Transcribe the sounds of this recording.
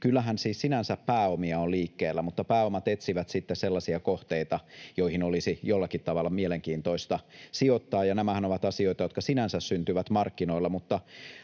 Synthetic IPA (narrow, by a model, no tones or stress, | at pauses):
kylːæɦænsiːssinænsæppæːomiɑoliːkːeːlːæmut̪ːɑpæːomɑt̪et̪siʋæt̪sit̪ːesselːɑsiɑkoht̪eit̪ɑjoihinolisijolːɑkit̪tɑʋɑlːɑmieleŋkiːnt̪oist̪ɑsiot̪ːɑːjɑnæmæhænoʋɑt̪ɑsio̞it̪ɑjo̞t̪kɑsinænsæssynt̪yʋæt̪mɑrkːinoilːɑmut̪ːɑ